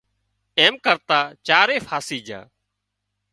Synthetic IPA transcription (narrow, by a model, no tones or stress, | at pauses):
eːmkəɾt̪aːt͡ʃaːɾeːfʰaːsiːd͡ʒã̰ː